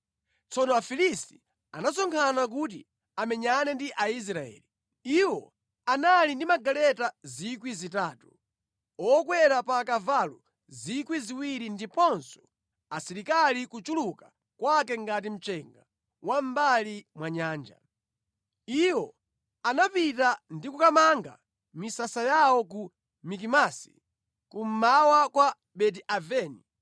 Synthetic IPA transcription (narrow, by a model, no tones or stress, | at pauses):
t͡sɔnɔafilisti | anasɔŋkʰanak̬ut̬ḭ | amɛɲanɛndiʔais̬ɾaɛ̰ːli | iwɔ̰ | analindimaɡalɛtazikwizitaːtu | ɔkwɛɾapakavalṵ | zikwiziwiɾindipɔnsɔ̥ | asiɾikalikut͡ʃuluka | kwakɛŋɡatim̩t͡ʃɛŋɡa | wam̩balimwaɲaːnd͡ʒa̰ | iwɔ | anapitandikukamaŋɡa̰ | misasajawɔk̬u | mik̬imasi̥̰ | kum̩mawakwa | ɓɛdiʔavɛːni